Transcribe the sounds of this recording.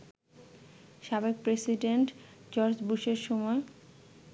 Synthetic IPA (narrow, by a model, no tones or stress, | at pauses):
ʃabeɡ̚pɾesiɖeɳʈd͡ʑɔɾd͡ʑbuʃeɾʃɔmɔe